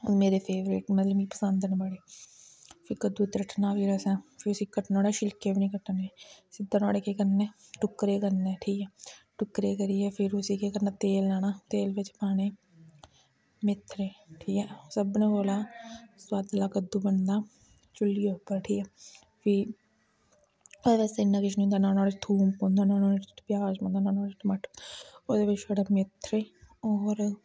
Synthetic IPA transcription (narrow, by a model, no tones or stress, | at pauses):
meːɾeːpʰeːʋɾḛːʈmət̪ləbiːpəsə̃nd̪nbəɽeː | pʰɪkəd̪uːt̪ɾəʈnaːʋiːɾəsɛːpʰɪɾʊsiːkəʈnoːɽɛːʃɪlkeːbinĩːkəʈːəneːsɪd̪əno̰ːɽeːkeːkəɾneːʈʊkɾeːkəɾneːʈʰiːkɛːʈʊkːɾeːkəɾiːɛːpʰɪɾʊsiːkeːkəɾnaːt̪eːlːaːnaːt̪eːlʋɪt͡ʃpaːneː | mɪt̪ʰːɾeːʈʰiːkɛːsəbnẽːboːlaːswad̪laːkəd̪uːbənd̪aː | t͡ʃʊlːiːʊpːəɾʈʰiːkɛː | pʰiː | oːd̪eːʋet͡ʃt̪eɪnːaːkɪʃʰñːnd̪aːnaːnaːɾet͡ʃt̪ʰuːmpõːnd̪aːnaːnoːpjaːd͡ʒpõːnd̪aːnaːnaːʈməʈʰoːd̪eːʋɪt͡ʃoɽaːmɪt̪ʰɾeːɔːɾ